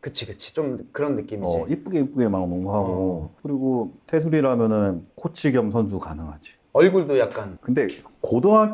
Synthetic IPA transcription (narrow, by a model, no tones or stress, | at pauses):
kɯt͡ɕʰikɯt͡ɕʰi̥t͡ɕomkɯɾʌnːɯk͈imiʌiip͈uɡeip͈uɡemanonoŋɡoɦaɡokɯɾiɡotʰe̞s̬ʰuɾiɾamjʌnɯnnkʰot͡ɕʰiɡjʌmsʰʌns̬ʰukanɯŋɦad͡ʑi̥ | ʌɭɡuɭdojak̚k͈ankɯnde̞kodoɦa